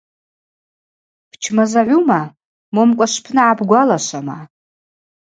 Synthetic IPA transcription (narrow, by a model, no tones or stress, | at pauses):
pʰt͡ʃʰmazaʕʷuma | momkʷʼaʂpʰnɨʕabɡʷalaʃʷama